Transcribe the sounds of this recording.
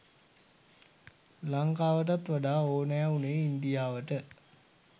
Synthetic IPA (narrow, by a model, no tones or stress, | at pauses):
laŋkaːʋəʈat̪ʋaɖaːoːnəjauneːind̪ijaːʋəʈə